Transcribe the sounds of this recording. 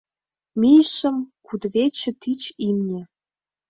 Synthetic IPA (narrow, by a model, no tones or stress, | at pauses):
mijʃə̆mkud̪βet͡ɕə̆t̪it͡ɕimnʲĕ